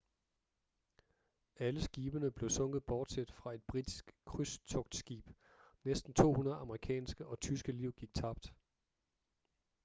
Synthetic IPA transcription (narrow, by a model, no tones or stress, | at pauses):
æləsɡ̥iːb̥ənəb̥le̝ʊsɔ̽ŋ̰̥ð̩ˠb̥ɒːd̥sed̥fʁɑ̈e̝d̥b̥ʁid̥isɡ̥kʰʁyst͡sʰɔ̽ɡ̥d̥sɡ̥ḭːb̥ | nesd̥n̩t͡sʰo̝̰ːhunɐð̩ˠɑ̈məʁikʰɛ̰ːnsɡ̥əʔɒ̽t͡sʰysɡ̥əliʊ̰ɡ̥iɡ̥̚t͡sʰɑ̈b̥̚d̥